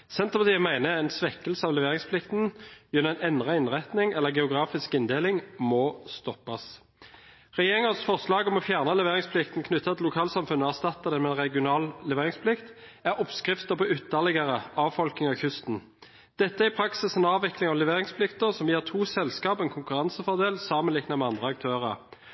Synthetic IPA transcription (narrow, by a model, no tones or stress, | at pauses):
sɛnt̪əpʰɑt̪iːəmæɪnəɛɪnsʋɛkːəlsəɑːʋlɛʋeːʁɪŋspʰlɪkt̪n̩jʉnːəæɪnɛnʁɑɪnʁɛt̪nɪŋɛlːəʁɡɛʊɡʁɑːfɪskɪnd̪eːlɪŋmɔst̪ɔpːɑs | ʁɛjeːʁɪŋəsfɔʁslɑːɡɔmɔfjæʁnəlɛʋeːʁɪŋspʰlɪkt̪n̩kʰnʏt̪ːɑt̪ʰɪlʊkʰɑːlsɑmfʉnːəɔæʁst̪ɑt̪ːəd̪ɛmɛɛnʁɛɡɪʊnɑːllɛʋeːʁɪŋspʰlɪkt̪æʁɔpskʁɪft̪əpʰɔʏt̪ːəʁlɪɡəʁəɑːʋfɔlknɪŋɑçʉst̪n̩ | d̪̥ɛt̪ːəæɪpʰɾɑksɪsənɑːʋɪklɪŋɑʋlɛʋeːʁɪŋspʰlɪkt̪əʁsɔmjɛːʁt̪ʰuːsɛlskɑːpɛnkʰʊŋkʉʁɑnsəfɔd̪eːlsɑːmənlɪknɑmɛɑnd̪ʁəɑk̚t̪ʰøːʁəʁ